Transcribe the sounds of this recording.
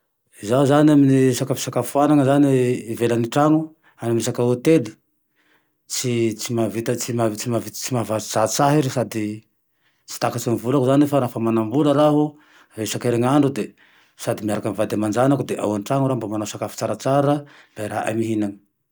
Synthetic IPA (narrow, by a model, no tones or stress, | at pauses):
izauzaniaminisakafu̥sakafufanaŋəzaniːvelaniʈ͡ʂaŋu | anamisakaot̪eli̥ | t͡sit͡simavit̪ət͡simat͡simavit͡simavazat͡saɦiɾisad̪i | t͡si̥t̪akat͡sinivulakuzanefaɾaafamanambuləɾaɦu | resakeɾeŋaɳɖ͡ʐud̪e | sad̪imiaɾakamivad̪amand͡ʒanakud̪eʔa̰wanʈ͡ʂaŋuɾambamanasakafu̥t͡saɾat͡saɾəb̥ajɾa̰ʔa̰miɦinaŋə̥